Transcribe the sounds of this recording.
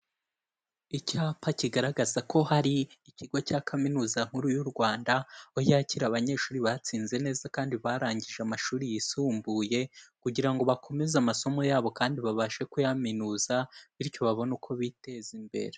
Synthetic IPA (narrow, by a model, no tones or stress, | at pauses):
icaːpaciɡaɾaɡazako̞haɾiːciɡo̞cakʰaminuːzaŋ̥huɾujuɾɡwaːndaojaciɾaβaɲe̞ːʃuːɾiβat͡siːnze̞ne̞ːzakaːndiβaɾaːɲɟiʒeamaʃuːɾijisuːmbuje̞kuɟiɾaŋɡo̞βakʰo̞me̞zamaso̞mo̞jaːβo̞kaːndiβaβaʃe̞kujaminuːzaβiɾco̞βaβo̞nukʰo̞βite̞zimbe̞̰ɾe̞